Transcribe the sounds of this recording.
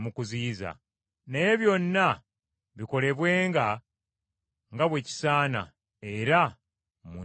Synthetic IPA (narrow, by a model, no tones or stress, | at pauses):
mukuziːza̰ | neje̞βjo̞nːa | βiko̞le̞βwe̞ːŋɡa | ŋɡaβwe̞ci̥saːna̰ | e̞ɾa | mu